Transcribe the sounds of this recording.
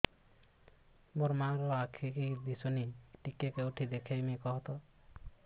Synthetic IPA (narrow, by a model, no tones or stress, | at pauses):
moɾmaɾɔakʰikid̪isoniʈikːekeuʈʰid̪ekʰejmikɔɦt̪ɔ